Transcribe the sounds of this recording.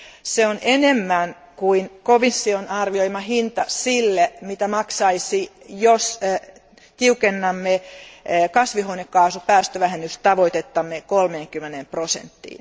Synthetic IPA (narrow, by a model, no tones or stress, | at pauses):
seonʔenemːæn | kuinkoʋisːionɑrʋioimɑhint̪ɑsilːemit̪æmɑksɑisi | jos | t̪iukenːɑmːe | kɑsʋihoinekːɑːsupæːst̪øʋæhenːyst̪ɑʋoit̪et̪ːɑmːekolmeːŋkymːenemprosḛnt̪ːḭːn